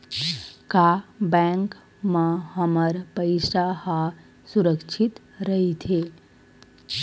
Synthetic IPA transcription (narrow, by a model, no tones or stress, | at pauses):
kabɛ̃ŋk | məhəməɾpəjsaha | suɾəkʂʰit̪ | ɾəɦit̪ʰe